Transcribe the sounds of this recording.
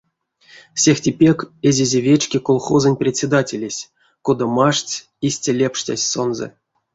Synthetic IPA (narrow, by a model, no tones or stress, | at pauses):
sʲexʲtʲipʲekezʲezʲevʲet͡ʃkʲekolˠχozənʲprʲesʲed̪atʲelʲesʲ | kod̪amaʂt͡sʲ | isʲtʲalʲepʂtʲa̰sʲso̞nzɛ̰